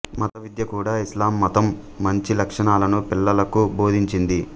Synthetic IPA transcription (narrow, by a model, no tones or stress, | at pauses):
mɐt̪ɐʋid̪jɐkuːɽaːislaːmːɐt̪ɐmː | ɐɲt͡ʃilɐkʂɐɳaːlɐnupilːɐlɐkubo̞ːd̪ʱiɲt͡ʃind̪i